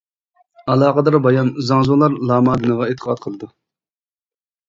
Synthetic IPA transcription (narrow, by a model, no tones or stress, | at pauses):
ɑlˠɑːqəd̪ɑɾbɑjɑnzɑŋzulˠɑɾlˠɑːmɑːd̪ɨnɨʁɑet̪ʰːə̥qɑt̪̚qʰəlˠɨd̪u